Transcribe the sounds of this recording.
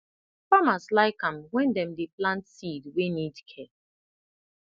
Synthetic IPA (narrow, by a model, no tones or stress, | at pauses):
famaslaɪkãmwɛ̃ndɛ̃m̩deplãntsidwenidkʰɛ